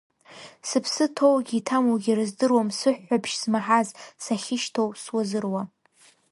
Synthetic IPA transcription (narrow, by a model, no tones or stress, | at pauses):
sɨpʰsɨtʰowɡʲitʰamoɡʲirɨzdɨrwamsɨħːapʰʃz̥maħazsaχʲɪʃtʰowswazɨrwa